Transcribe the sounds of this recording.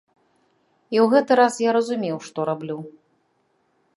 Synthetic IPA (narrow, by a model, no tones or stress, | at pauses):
iwɣɛt̪ɨɾasjaɾɐzumʲewʂt̪ɔɾablʲu